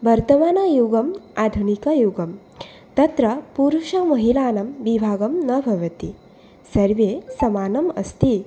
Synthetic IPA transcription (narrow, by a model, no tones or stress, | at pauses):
bɐɾt̪ɐmaːnɐjuɡɐmad̪ʱunikɐjuɡɐm | t̪ɐt̪ɾɐpuɾuʃɐmɐɦilaːnɐmʋibʱaːɡɐmnɐbʱɐʋɐt̪i | sɐɾʋesɐmaːnɐmɐ̰st̪i